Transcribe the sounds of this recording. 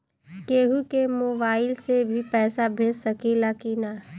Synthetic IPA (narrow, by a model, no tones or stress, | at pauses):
keːɦukemoːbaːɪlsebʱipɛːsabʱeːssɐkilakina